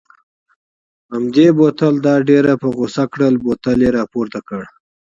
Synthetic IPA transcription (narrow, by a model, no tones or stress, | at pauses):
hamd̪ebot̪əld̪ɑɖeɾapəɣosakɽəlbot̪aleɾɑpoɾt̪akəɽ